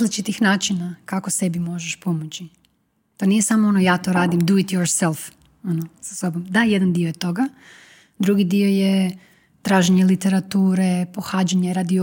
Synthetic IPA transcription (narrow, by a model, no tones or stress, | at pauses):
zlit͡ʃit̪ixnaːt͡ʃinakako̞se̞bimo̞ʒeʃpo̞mot͡ɕi | t̪onijesamoonojaːt̪o̞ɾaːd̪imd̪uit̪joɾselˠf | o̞nosaso̞bo̞md̪ajed̪and̪iojet̪o̞ɡa | d̪ɾuɡid̪ioje | t̪ɾaːʒeɲelit̪e̞ɾat̪uːɾepo̞xaːd͡ʒaɲe̞ɾad̪i